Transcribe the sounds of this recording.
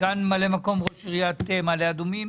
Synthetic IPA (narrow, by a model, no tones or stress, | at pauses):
anmalemako̞mʁoʃiʁijat̪emalead̪umim